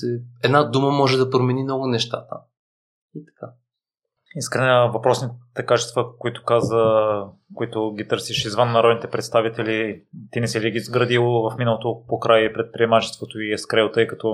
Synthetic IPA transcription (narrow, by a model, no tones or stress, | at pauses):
ɛɛd̪nad̪uməmɔʒɛd̪ɐpɾomɛnimnɔɡʊnɛʃt̪a̰t̪ə̰ | it̪ɐ̥ka | iskɾɛnɛvɐpɾɔsnit̪ɛkat͡ʃɛst̪vəkoit̪ʊ̥kazəkoit̪ʊɡʲit̪ɤɾsiʃizvənːɐɾɔd̪nit̪ɛpɾɛt̪st̪avit̪ɛlit̪inɛsɛliɡiːzɡɾɐd̪ilˠovɐfminəlˠot̪opokɾʔajpɾɛt̪̚pɾiɛmat͡ʃɛ̥st̪vot̪oiɛskɾɛlˠt̪ɤjkɐt̪ɔ